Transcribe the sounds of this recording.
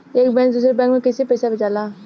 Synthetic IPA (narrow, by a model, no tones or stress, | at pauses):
eːkbɛ̃ːkd̪uːsɾebɛ̃ːŋkmẽkɪsipɛːsabɪt͡ʃaːlaː